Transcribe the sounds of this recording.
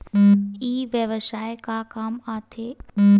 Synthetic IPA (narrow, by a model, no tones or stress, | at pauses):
iːʋjəʋəsaːekakaːmaːt̪ʰeː